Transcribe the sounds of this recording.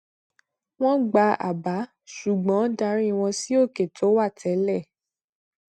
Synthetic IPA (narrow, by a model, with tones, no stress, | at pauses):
w̃ɔ̃˦ɡ͡ba˧a̰˨ba˨˦ | ʃu˨ɡ͡bɔ̃˨˦da˧˦ɾĩ˦˧w̃ɔ̃˧si˦o˦˨ke˨tʰo˨˦wa˦˨tʰɛ˨˦lɛ˦˨